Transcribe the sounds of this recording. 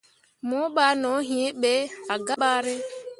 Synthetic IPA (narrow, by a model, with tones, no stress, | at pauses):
mʊ˦ɓa˦no˨˦ɦi˨˦e˦ɓe˦a˨ɡa˦ɓa˦ɾɪ˦